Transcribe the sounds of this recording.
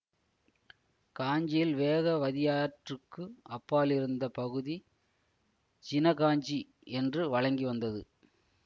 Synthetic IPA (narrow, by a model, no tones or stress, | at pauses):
kaːɲd͡ʒijɪlʋeːðɐʋɐðɪjaːɐʈrɯkːɯɐpːaːlɪɾɯnd̪ɐpɐɣɯði | t͡ʃɪnɐɣaːɲd͡ʒi | ɛndrɯʋɐɻɐŋɡiʋɐnd̪ɐðɯ̰